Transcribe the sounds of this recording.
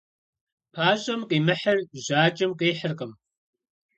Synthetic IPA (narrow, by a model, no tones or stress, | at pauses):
pʰaːʑʼɐmqiːmɨħɐrʒaːt͡ʃʼɪmqiːħərqʼəm